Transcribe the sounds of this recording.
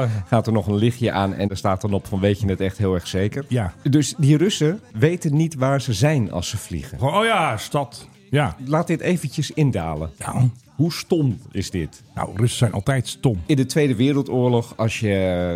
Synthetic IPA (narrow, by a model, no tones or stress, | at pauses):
xaːtərnɔxənlɪxjəʔaːnɛ̰ndastaːtɔnɔpfɔnʋejtjənɛtɛxtɦɪːlˠɛrxseːkərjadøsdirøsəʋeːtənːitʋaːɹzəzɛjnɑ̰lˠsəflḭɣə̰nojastɑt | jalaːtdɪtejvəncəsɪndaːlə̰nja | hustɔmɪzdɪtna̰wrøsəsɛjnʔɑ̰lˠtɛjtstɔmɪndətʋeːdəʋɪːɾəlˠtʊːɹlɔxɑsjə